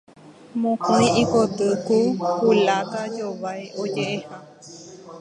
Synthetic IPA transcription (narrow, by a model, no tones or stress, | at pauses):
mõkõj̃ikot̪ɨkukulakad͡ʒoʋajʔod͡ʒeʔeha